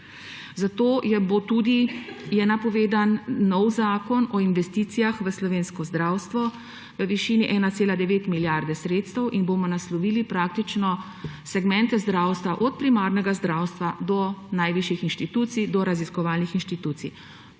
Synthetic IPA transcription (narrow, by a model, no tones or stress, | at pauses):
zat̪oːjɛbot̪ud̪ijɛnapɔʋeːd̪anːɔwzaːkɔnɔinʋɛst̪iːt̪sijaxʋəslɔʋeːnskɔzd̪ɾaːwst̪ʋɔ | ʋəʋiʃiːniʔɛnat̪seːlad̪ɛʋeːt̪miljaɾd̪ɛsɾeːt̪st̪ɛwʔinbomɔnaslɔʋiːlipɾaːk̚t̪it͡ʃnɔ | sɛɡmɛnt̪ɛzd̪ɾaːwst̪ʋaʔɔt̪̚pɾimaːɾnɛɡazd̪ɾaːwst̪ʋad̪ɔnajʋiʃjixinʃt̪it̪uːt̪sid̪ɔɾaziskɔʋaːlnixinʃt̪it̪uːt̪sḭ